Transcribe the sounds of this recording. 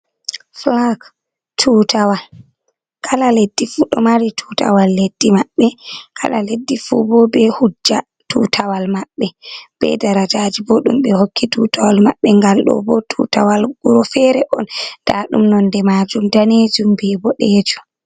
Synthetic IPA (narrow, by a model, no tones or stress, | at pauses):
flak | tʰutawal | kʰalaledːifuɗɔ̰maɾitʰutʰa̰walːedːimabːɛkʰa̰la̰ledːifubɔbɛhud͡ʒːa | tuːtʰawalmaɓːɛb̥ɛ̰daɾad͡ʒad͡ʒibɔɗṵmɓɛhokʰːitutawalmaɓːɛŋɡalɗɔ̰bɔtʰutawalɡuɾɔfɛɾɛʔɔnd̥aɗumnɔndɛmaːd͡ʒumdaned͡ʒumbɛbɔɗɛːd͡ʒu̥